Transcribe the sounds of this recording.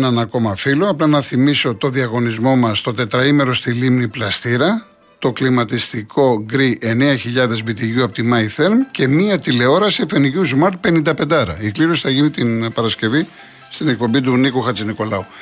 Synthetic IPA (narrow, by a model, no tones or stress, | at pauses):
nenɐko̞mɐfiloɐplɐnɐθimiso̞t̪o̞ðiɐɣo̞nizmo̞mɐst̪o̞t̪e̞t̪ɾɐime̞ɾo̞st̪ilimniplɐst̪iɾɐ | t̪o̞klimɐt̪ist̪ikʰo̞ɡɾiʔene̞ɐçiʎɐðe̞zvit̪iʝuɐpot̪imɐiθeɾmce̞miɐt̪ile̞o̞ɾɐsife̞niʝuzumɐɾt̪̚pe̞nind̪ɐpe̞nd̪ɐɾɐ̰ikliɾo̞si̥θɐʝinit̪inpɐɾɐsce̞vi | st̪ine̞k̚po̞bit̪̬unikuxɐt͡siniko̞lɐu